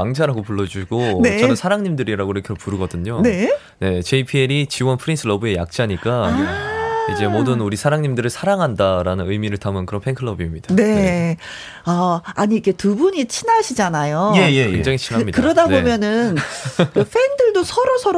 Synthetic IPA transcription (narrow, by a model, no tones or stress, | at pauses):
aŋd͡ʑʰaɾaɡopuɭːʌd͡ʑuɕʰiɡ̥one̞t͡ɕʌnɯnsʰaɾaŋɲimdɯɾiɾaɡoiɾʌkʰepuɾɯɡʌdɯɲone̞ | ne̞t͡ɕe̞ipʰieɾit͡ɕiwʌnpʰɯɾinsʰɯɭʌbue̞ja̰k̚t͡ɕ͈aɲik͈a | id͡ʑe̞modɯnuɾisʰaɾaŋɲimdɯɾɯɭsʰaɾaŋɦandaɾanɯnɯjmiɾɯɭtamɯnkɯɾʌnpʰe̞ŋkʰɯɭːʌbimɲid̥ane̞ | aaɲiːkʰe̞tubuɲit͡ɕʰinaɕʰid͡ʑanajojejekeɲd͡ʑaŋit͡ɕʰinamɲikɯɾʌdanbomjʌnɯnɯɸʰendɯɭdosʰʌɾosʰʌɾ